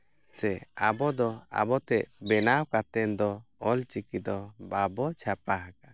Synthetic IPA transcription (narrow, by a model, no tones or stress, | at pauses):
sɛabɔd̪ɔa̰bɔt̪ɛʔbɛnawkat̪ɛnd̪ɔɔlt͡ʃikid̪ɔbabɔt͡ʃʰapaɦaka